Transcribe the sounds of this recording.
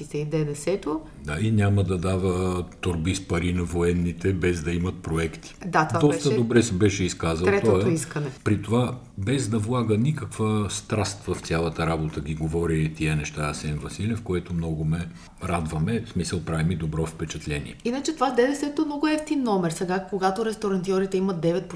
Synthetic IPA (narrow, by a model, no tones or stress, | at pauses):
isɛid̪ɛd̪ɛsɛt̪o | d̪ainʲaməd̪ɐd̪avət̪oɾbispɐɾinɐvoɛnːit̪ɛbɛzd̪ɐimɐt̪̚pɾoɛkt̪i̥d̪at̪odad̪ɔstt̪əd̪obɾɛsbɛʃɛiskazəlˠɾɛt̪ɔj̪ɛiskɐnɛpɾit̪ova | bɛzd̪ɐvlˠaɡənikəkvəst̪ɾast̪vɐft̪sʲjalˠɐt̪əɾabot̪əɡʲiɡovɔɾiit̪iənɛʃt̪aasɛnvɐsilʲɛfkoɛt̪omnɔɡomɛ | ɾad̪vɐmɛsmisəlˠpɾavimid̪obɾɔfpɛt͡ʃɐt̪lʲɛnḭɛinɐt͡ʃɛt̪ovad̪ɛd̪ɛsɛt̪omnɔɡʊɛft̪inːɔmɛɾsɛɡakoɡat̪oɾɛst̪oɾɐnt̪iɔɾit̪ɛimɐt̪̚d̪ɛvɛt̪̚p